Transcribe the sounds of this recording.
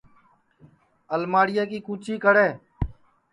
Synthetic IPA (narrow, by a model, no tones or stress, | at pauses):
əlmaːɽɪjaːkiːkũːt͡ʃiːkəɽeː